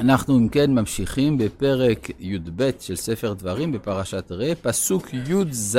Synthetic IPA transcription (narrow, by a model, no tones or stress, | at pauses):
anaχnuimkenmamʃiχimbepe̞ʁekjud̪bet̪ʃelsefeʁd̪vaʁimbe̞paʁaʃat̪ʁepasukʰjud̪z